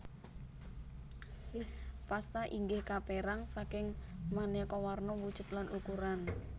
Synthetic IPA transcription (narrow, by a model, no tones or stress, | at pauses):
past̪aʔiŋɡɪhkapeɾaŋsakɪŋmanekɔwarnɔwud̥ʒ̥ʊ̤t̪lanʔukuɾan